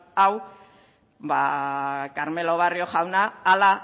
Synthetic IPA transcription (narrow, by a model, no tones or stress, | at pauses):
aw | bakaɾme̞lo̞β̞ario̞xawnaːla